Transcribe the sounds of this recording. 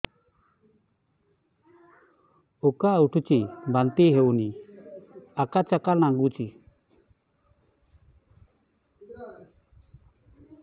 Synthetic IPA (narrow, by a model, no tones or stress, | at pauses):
ukauʈʰut͡ʃibant̪iɦewni | akat͡ʃakalnaŋɡut͡ʃi